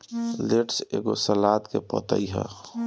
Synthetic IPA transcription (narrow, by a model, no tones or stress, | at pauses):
leʈsḛːɡosəlaːt̪kepɔ̰ːt̪ə̰iɦɛ̰